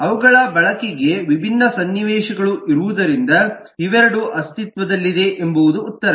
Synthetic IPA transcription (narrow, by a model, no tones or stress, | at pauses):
ɐʋɐɡɐɭɐbɐɭɐkiɡe̞ʋibʱinːɐsɐnːiʋɛːʃɐɡɐɭuʔiɾuʋud̪ɐɾind̪ɐ | iʋɛɾɐɽuʔɐst̪it̪ʋɐd̪ɐlːid̪e̞ʔembuʋud̪uːt̪ːɐɾɐ